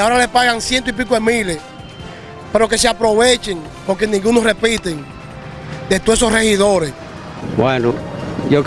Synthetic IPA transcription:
ao̞ɾalepaɣaŋsjent̪̬oip̬ik̬oðemĩles | pe̞ɾo̞ke̞s̬eapɾo̞βet͡ʃeŋ | po̞ɾk̬enĩŋɡunosre̞pit̪eŋ | d̪e̞t̪owes̬osre̞hiðo̞ɾes | bwenojok

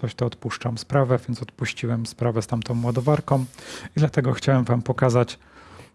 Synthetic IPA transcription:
ɔɕt̪ɔːt̪puʂt͡ʂamspɾavɛvʲjɛnt̪sɔt̪puɕt͡ɕiwɛmspɾavɛst̪amt̪ɔ̃w̃wad̪ɔvaɾkɔ̃w̃id̪lat̪ɛɡɔxt͡ɕawɛmvampɔkazat͡ɕ

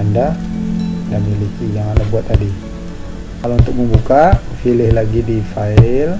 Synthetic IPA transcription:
anda | ndamilikid͡ʒaŋandabuat̪ːadi | kalaunt̪ʊk̚məmbukafilɪhlaɡidifaɪl

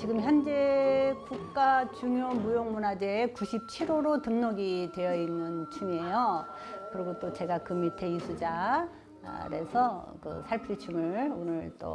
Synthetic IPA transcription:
t͡ɕiɡɯmçjʌnd͡ʑe̞ɡuk̚k͈at͡ɕuŋjomujoŋmunad͡ʑeːkuɕʰip̚t͡ɕʰiɾoɾotɯŋnoɡitwe̞jʌinːɯnt͡ɕʰuŋie̞jo | kɯɾʌɡot͈ot͡ɕe̞ɡakɯmitʰe̞isʰud͡ʑa̰ | ɾe̞̰sʰʌkɯ̰sʰaɭpʰɯɾit͡ɕʰumɯɭonɯɭt͈o̰

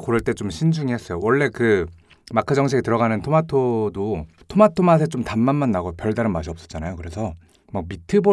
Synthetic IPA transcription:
koɾɯɭt͈e̞t͡ɕomɕʰind͡ʑuŋiɦes͈ʌjowʌɭːe̞kɯ | makʰɯd͡ʑʌŋt͡ɕʰeɡitɯɾʌɣanɯntʰomatʰodo | tʰomatʰomas̬ʰet͡ɕ͈omtanmanmanːaɡopjʌɭdaɾɯnmaɕʰiʌps͈ʌ̥t͡ɕ͈anajokɯɾe̞sʰʌ | mak̚mitʰɯbo

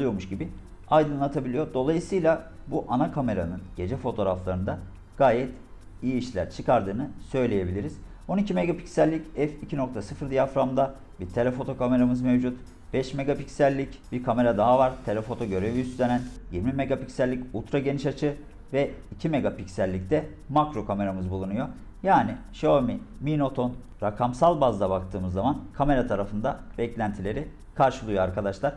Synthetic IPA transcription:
lˠɯjo̞ɾmuʃɟibɪ | ajd̪ɯnlˠat̪ʰabilʲijo̞ɾd̪o̞lˠajɯsɯjlʲˠa | buʔanakʰame̞ɾanɯnɟe̞d͡ʒɛfo̞t̪ʰo̞ːɾaflˠaɾɯnd̪a | ɡ̥aːjɛt̪ | ijiːʃlʲæ̰ɾt͡ʃʰɯkaɾd̪ɯːnɯsø̞jlʲe̞je̞bilʲiɾiz̥ | o̞nicʰime̞ɡapi̥csælʲːicɛficʰino̞kt̪ʰasɯfɯɾd̪ijafɾamd̪a | biɾt̪ʰe̞lʲɛfo̞t̪ʰo̞kame̞ɾamɯzme̞vd͡ʒut̪ | b̥ɛʃme̞ɡapicsælʲːicbiɾkʰame̞ɾad̪aɦavaɾ̥t̪ʰelʲefo̞t̪ʰo̞ɟø̞ɾe̞viysenænjiɾmime̞ɡapicsælʲːiculˠt̪ɾaɟe̞niʃat͡ʃʰɯ | vɛicʰime̞ɡapicsælʲːict̪ʰɛ | makɾo̞kʰame̞ɾamɯzbulˠunujo̞ | jaːniʃomimino̞t̪ʰo̞n | ɾakʰamsalˠbazd̪abakt̪ʰɯːmɯzːamankʰame̞ɾat̪ʰaɾafɯnd̪ab̥ɛclʲænt̪ʰilʲe̞ɾi | kʰaɾʃɯlˠujoaɾkad̪aʃlˠaɾ̥

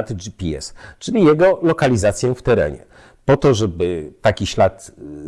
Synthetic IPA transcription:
t̪d͡ʒipʲiɛ̰st͡ʂɘlʲijɛɡɔlɔkalʲizat̪sʲjɛ̃ft̪ɛɾɛ̰ɲɛ̰ | pɔt̪ɔʐɛbɘt̪akʲiɕlat̪

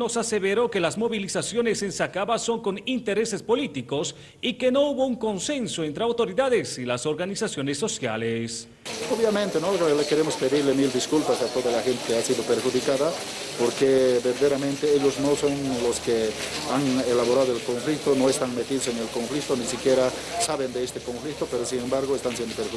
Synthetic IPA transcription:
no̞saseβeɾo̞ke̞lazmo̞βilisasjo̞ne̞se̞nsakaβaso̞ŋko̞nint̪eɾe̞se̞spo̞lit̪iko̞s | ike̞no̞uβo̞uŋko̞nse̞nsoent̪ɾeawt̪o̞ɾiðaðesilaso̞ɾɣanisasjo̞nesːo̞sja̰les | oβjamẽnt̪enolekeɾemospe̞ðiɾlemild̪iskulpasat̪oðalaxent̪ekeasiðopeɾxuðikaða | poɾkebeɾðeɾamẽnt̪eeʎozno̞sonloske | aŋelaβo̞ɾaðoelkoɱflik̚t̪ono̞est̪aŋmet̪iðoseŋelko̞ɱflik̚t̪onisikje̞ɾa | saβend̪eest̪eko̞ɱflik̚t̪opeɾosiŋembaɾɣoest̪ansjend̪opeɾxu

